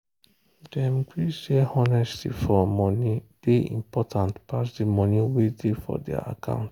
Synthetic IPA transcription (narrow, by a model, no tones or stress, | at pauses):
dɛ̃mkʰisehɔnɛstḭfɔmɔnib̥eḭ̃mpɔtʰãntpasdimɔ̃niwedefɔ̰dɛa̰a̰kʰã̰ʊ̃nt